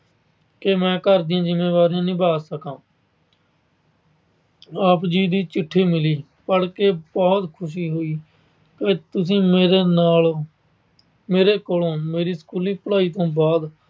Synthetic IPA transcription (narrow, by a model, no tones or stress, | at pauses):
kemɛ̃ːkəɾd̪ɪjãːd͡ʒɪmːeːʋaːɾijãːnĩːbaːsəkãː | aːpd͡ʒiːd̪iːt͡ʃɪʈʰːiːmɪliː | pəɽkeːbɔːt̪kʰʊʃ̬iːɦoːiː | keːt̪ʊs̬ĩːmeɾenaːl | meːɾeːkoːlõːmeːɾiːsə̥kuːliːpəlaːiːt̪õːbaːd̪